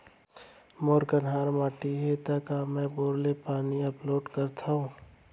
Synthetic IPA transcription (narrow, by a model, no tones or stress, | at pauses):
moːɾkənɦaːɾmaːʈiɦet̪ɐkaːmɛ̃boːɾlepaːniɐploːɖkəɾt̪ʰaũ